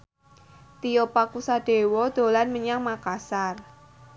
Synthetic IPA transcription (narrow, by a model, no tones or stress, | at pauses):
t̪ijopakusaɖ̥e̤wɔd̪̥o̤lanməɲaŋmakasar